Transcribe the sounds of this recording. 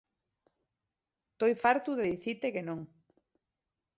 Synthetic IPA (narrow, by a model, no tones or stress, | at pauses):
t̪ojfaɾt̪uðeðiθit̪ekenõŋ